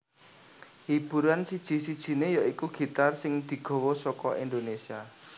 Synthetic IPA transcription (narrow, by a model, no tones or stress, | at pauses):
hib̥ṳɾansid̥ʒ̥i̤sid̥ʒ̥i̤nejaikuɡ̥i̤t̪arsɪŋd̪̥i̤ɡ̥o̤wɔsɔkɔʔind̪onesia